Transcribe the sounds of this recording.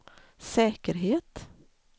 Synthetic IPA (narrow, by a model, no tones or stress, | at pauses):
sɛːkəɾɦeːt̪